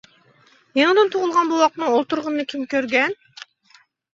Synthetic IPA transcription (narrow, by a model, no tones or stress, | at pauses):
jeŋɨd̪ɨnt̪ʰoʁʊlˠʁɑnbuwɑq̪̚nɨolˠt̪uɾʁʊnːɨkʲʰimkʲøɾɡʲɛn